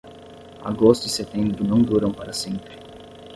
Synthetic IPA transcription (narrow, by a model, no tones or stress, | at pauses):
a̰ɡost̪ʊiset̪ẽmbɾʊnɐ̃w̃d̪uɾɐ̃w̃paɾɐsẽmpɾɪ